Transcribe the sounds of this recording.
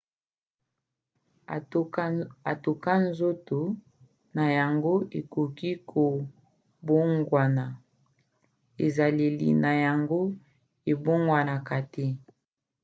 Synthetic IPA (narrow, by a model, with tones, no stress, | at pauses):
a˨to˨ka˦n˦zo˦to˨ | na˨ja˨ŋɡo˦e˨ko˨ki˦kʰo˨ | bo˦ŋɡwa˨na˨ | e˨za˨li˨lḭ˨na˨ja˨ŋɡo˦ | e˨bo˦ŋɡwa˨na˨ka˨te˦